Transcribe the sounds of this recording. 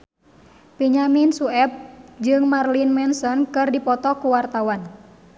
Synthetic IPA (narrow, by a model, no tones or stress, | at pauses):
piɲaminsuɛp̚d͡ʒɨŋmarlinmɛnsɔnkɨrdipɔt̪ɔkuwart̪awan